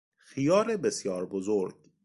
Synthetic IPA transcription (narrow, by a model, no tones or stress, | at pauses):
xijɒːɾebesjɒːɾbozoɾɡ